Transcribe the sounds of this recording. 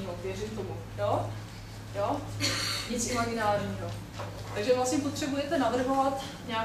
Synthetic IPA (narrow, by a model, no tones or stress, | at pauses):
iːɦovjɛrɪmt̪omu | jo | joː | ɲɪt͡sʔɪmaɡɪnaːlɲiːɦo | t̪aɡʒɛvlasɲɛpo̞t̪r̥ɛbujɛt̪ɛnavr̩ɦovat̪ | ɲaː